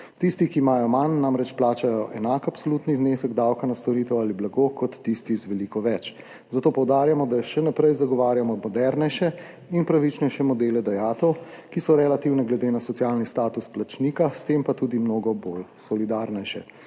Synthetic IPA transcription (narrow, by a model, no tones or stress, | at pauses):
t̪ist̪ikiːmaːjɔmanːamɾɛt͡ʃplaːt͡ʃajɔʔɛnakapsoluːt̪nizneːsəɡd̪awkanast̪ɔɾiːt̪ɛwaliblaɡoːkɔt̪ːist̪izʋɛliːkɔʋɛt͡ʃ | zat̪oːpɔwd̪aːɾjamɔd̪aʃɛnapɾɛjzaɡɔʋaːɾjamɔmɔd̪ɛɾnɛjʃɛ | inpɾaʋit͡ʃnɛʃɛmɔd̪eːlɛd̪ajaːt̪ɔwkisɔɾɛlat̪iwnɛɡlɛd̪eːnasɔt̪sijaːlnist̪aːt̪usplat͡ʃnikast̪empat̪uːd̪imnoːɡɔbolsɔlid̪aɾnɛjʃɛ̰